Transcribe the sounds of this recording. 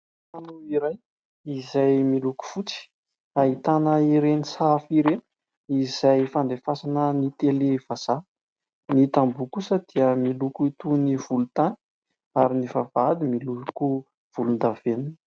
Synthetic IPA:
anuiɾaj | izajmiluku̥fut͡si̥ | ait̪anəiɾenisafiɾen | iz̥ajfand̪efasanənit̪elevaz̥a | nit̪ambukusəd̪̥iəmilukuit̪univ̥ulut̪ani̥ | aɾinivavad̪imiluku | v̥ulund̪avenu

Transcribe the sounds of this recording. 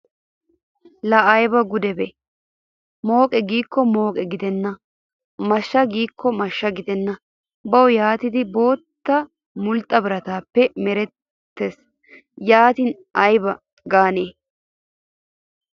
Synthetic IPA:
lɐɐjbɐɡʊd̪ɛbɛ | mo̞ːkʼɛɡiːkːɔmo̞ːkʼɛɡɪd̪ɛnːɐ | mɐʃːɐɡiːkʰːɔmɐʃːɐɡɪd̪ɛnːɐ | bɐwɔjaːt̪ɪd̪ɪbo̞ːt̪ːɐ | mʊlt̪ʼːɐbɪɾɐt̪aːpːɛmɛɾɛtː | es | jaːt̪in | ʔɐjbɐ | ɡaːneː

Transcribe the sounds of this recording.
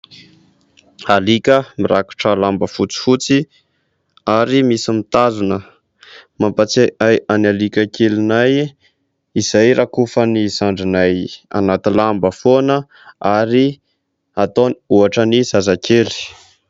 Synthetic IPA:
alikʲəmiɾaku̥ʈ͡ʂəlambəfut͡si̥fut͡si | aɾimisimit̪azunə | mampat͡seʔajʔanalikʲəkʰelinaj | iz̥ajɾakufənizaɳɖ͡ʐinaja̰nat̪ilambəfonə | aɾi | at̪oniuaʈ͡ʂəniz̥azakʰeli̥

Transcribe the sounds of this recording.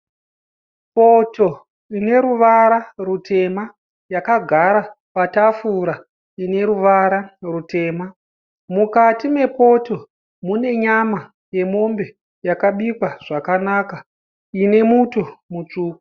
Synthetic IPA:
po̞to̞ | ine̞ɾuʋaɾarutʰe̞ma | jakaɡʱaɾa | patafuɾa | ine̞ɾuʋaɾarute̞ːma | mukatime̞po̞to̞ | mune̞ɲama | je̞mo̞mbe̞ | jakaɓikwaʐ̥akanaːka | ine̞muto̞mut͡ʂuːku

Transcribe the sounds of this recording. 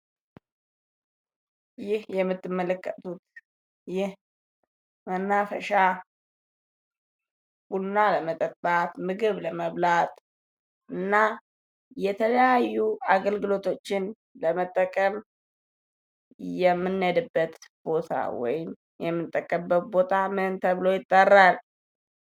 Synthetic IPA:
jɪhjɛmːɨt̪ːɨmːələkːət̪ʰut̪ | jɪh | mənːafəʃa | b̥unːaləmət̪ʼəbat̪mɨɡɨβləməβlat̪ʼ | ʔɨnːa | jɛt̪ʰələjajːuaɡəlɡɨlo̞t̪ʰo̞t͡ʃːɪn | ləmət̪ʼːəkʼəm | jɛmːɨnːəd̪ɨbːət̪b̥o̞t̪ʰa̰wɔ̰jɪm | jɛmːɨt̪ʼːəkʼːəmbət̪̚bo̞t̪ʰamɨnt̪ʰəβɨlo̞jɪt̪ʼːərːal

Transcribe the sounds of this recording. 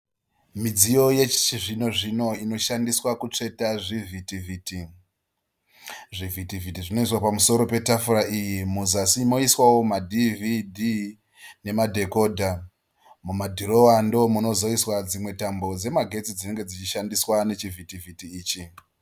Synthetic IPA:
mid͡zijo̞je̞t͡ʃi̥t͡ʃiʐino̞ʐino̞ino̞ʃandiswakut͡ʂe̞taʐivitiviːti | ʐivitivʱitiʐino̞iswapamuso̞ɾo̞pe̞tafuɾaijimuzasimo̞iswawo̞madʱividʱi | ne̞madʱe̞ko̞ːdʱa | mumadʱiro̞wando̞muno̞zo̞iswad͡zimwe̞tambo̞d͡ze̞maɡʱe̞t͡sid͡zine̞ŋɡe̞d͡zit͡ʃiʃandiswane̞t͡ʃivʱitivʱitiːt͡ʃi

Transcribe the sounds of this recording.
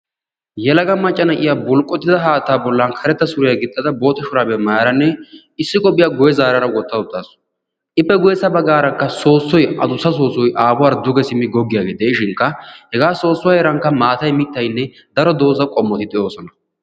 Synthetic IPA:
jɛlɐɡɐmɐt͡ʃʼːɐnɐʔɪjabʊlkʼːɔt̪ːɪd̪ɐɦaːt̪ːaːbɔlːɐnkʰɐɾɛt̪ːɐsʊɾɪjaɡɪt̪ʼːɐd̪ɐbo̞ːt̪ːɐʃʊɾaːbɛmaːɾɐnːɛ | ɪsːɪkʼɔpʼɪjaːɡʊjɛzaːɾɐɾɐwɔt̪ːɐʊt̪ːaːsʊ̥ | ʔɪpːɛɡʊjɛsɐbɐɡaːɾɐkːɐso̞ːsːɔjɐd̪ʊsːɐso̞ːsɔjʔaːbʊwaːɾd̪ʊɡɛsɪmːɪɡɔɡːɪjaːɡeːd̪eʃɪŋkːɐhɛɡaːso̞ːsːʊwaːjɛɾɐŋkːɐmaːt̪ɐjmɪt̪ːɐjnːɛ | d̪ɐɾɔd̪o̞ːzɐkʼɔmːɔt̪ɪd̪ɪʔo̞ːsɔnɐ

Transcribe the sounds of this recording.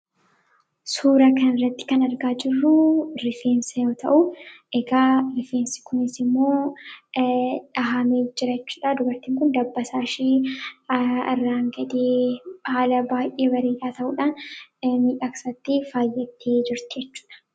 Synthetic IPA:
suːɾɐkɐnɪrːɐt̪ːɪ̥kɐnɐɾɡaːd͡ʒɪrːʊɾɪfeːnsɐjo̞ːt̪ɐ̰ʔʊʔɛɡaːɾɪfeːnsɪ̥kʰʊnɪsɪmːo̞ː | ᶑɐɦɐmeːd͡ʒːɪɾɐɛt͡ʃːu̥ːᶑaːd̪ʊbɐɾt̪ɪːŋkʊnd̪ɐbːɐsaːʃiː | ɐ̰rːaːŋɡɐd̪eːhaːlɐbaːjʔeːbɐɾiːᶑaːt̪ɐʔuːᶑaːnmiːᶑaːkɐ̥sɐt̪ːɪfaːjːɛt̪ʰːeːd͡ʒɪɾt̪ɪd͡ʒɛt͡ʃːu̥ːᶑɐ̥

